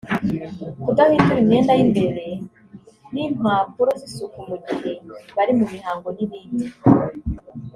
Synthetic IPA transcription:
kutaβiːntuimeːndaimbeɾe | nim̥apuɾosisukumuɟiɾeβaɾimumihaːŋɡoniβiːni

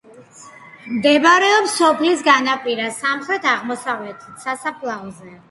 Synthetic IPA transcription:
md̪ɛbaɾɛɔpsɔpʰlis̬ɡanapʼiɾasamχɾɛt̪ʰaʁmɔsavlɛt̪ʰit̪sasapʰlˠazɛ

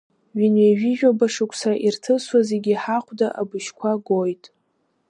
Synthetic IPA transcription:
ɥᶣinɥeʒiʒᶣabaʂɨkʷʰsaaʔirtʰɨswazeɡʲiħaχʷdaʔabɨʃkʷʰaɡojtʼ

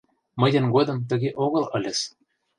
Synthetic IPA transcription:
mɤ̆jɤ̆nɡod̪ɤ̆mt̪̬ə̆ɣʲeʔoɣɤ̆lˠɤ̆lʲĕs

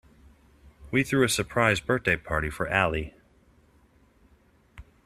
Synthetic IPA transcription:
wiθɹʉɨsə˞pʰɹ̥aɪzbɜ˞θ̚d̥eɪpʰɑɹɾifə˞ʔælˠi

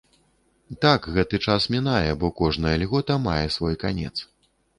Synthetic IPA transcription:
t̪akɣɛt̪ɨt͡ʂasmʲinajɛbɔkɔʐnɐjɐlʲɣɔt̪ɐmajɛsvɔjkanʲɛ̰t̪s

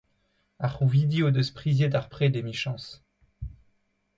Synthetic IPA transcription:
aʁuvid̪iod̪əspχizjed̪aʁpχed̪emiʃɑ̃s

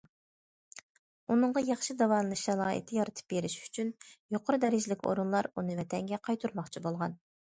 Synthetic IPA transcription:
unɨɴʁɑjɑχʃid̪ɑwɑnlˠɨʃɛlˠɑːɨ̰t̪ʰːɪjɑɾɨt̪ʰɨ̥p̚beɾɪʃy̥t͡ʃʰynjoqʰʊɾɨd̪ɛɾɪd͡ʒlɪkʲo̰ɾunlˠɑɾunɨvɛt̪ʰɛŋɡʲɛqʰɑjt̪ʰuɾmɑχt͡ʃʰibolˠʁɑn

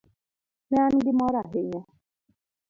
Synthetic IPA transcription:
mean̩dɪmɔɾaɦeɲɔ

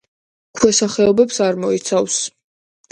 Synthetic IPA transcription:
kʰwɛsaχɛɔbɛpsaɾmɔit̪sʰavs

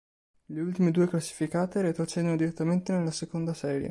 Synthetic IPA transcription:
leult̪imed̪uːeklasːi̥fikaːt̪eɾet̪ot͡ʃɛd̪onod̪iɾet̪ːament̪enelːasekond̪asɛːɾjḛ

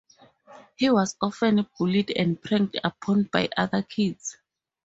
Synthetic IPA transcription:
hiwɔsɔfɛ̃nb̥ulidɛ̰̃ndpʰɹɛ̃ŋkdapʰɔ̃nbajʔaðakʰids

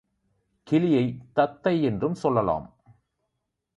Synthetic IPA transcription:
kʰilijɐjt̪ɐt̪ːɐjendrɯmsɔlːɐlɔ̰ːm

